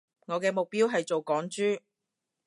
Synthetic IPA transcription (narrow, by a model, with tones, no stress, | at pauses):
ŋɔː˨˧kɛː˧mʊ˨k̚piː˥wɦɐ˨jt͡so˨wkɔː˨˥ŋt͡ʃyː˥